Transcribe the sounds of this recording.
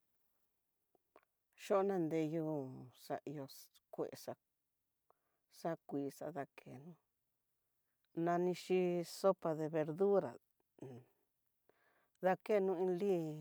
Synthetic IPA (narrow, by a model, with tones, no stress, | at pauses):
ʃo˦nã˧nd̪e˧ju˦˨sa̰˧ʔi˧jo˧ | kʷe˨ʔḛ˧sa˧ | sa˦kʷiː˨˧˨sa̰˧ða˧kʰḛ˧˨nũ˧˦ | nã˧nĩ˧ʃi˦so˦pa˧ðe˧βe˧ɾðu˦ɾa̰˨ | ða˧ke˦˨˧nũ˦˧ĩ˧li˦